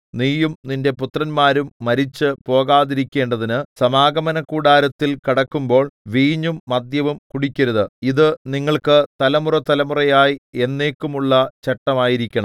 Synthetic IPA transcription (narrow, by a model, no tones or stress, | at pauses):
niːjumninde̞put̪rɐnmaːɾumːɐɾit͡ɕːɨpo̞ːɣaːðiɾikʲːe̞ːɳɖɐðinɨsɐmaːɡɐmɐnɐkːuːɽaːɾɐt̪ːilkiɽɐkːumbo̞ːɭʋiːɲːumːɐd̪jɐʋumkuɽikʲːɐɾuðɨiðɨniŋːɐɭkɨt̪ɐlɐmurɐt̪ɐlɐmurɐjaːjie̞nːe̞ːkːumuɭːɐt͡ɕeʈːɐmaːjiɾikʲːɐɳɐm